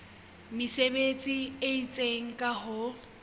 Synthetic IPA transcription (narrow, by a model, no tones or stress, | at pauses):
mɪsebet͡sʼieit͡sʼeŋ̩kʼaɦʊ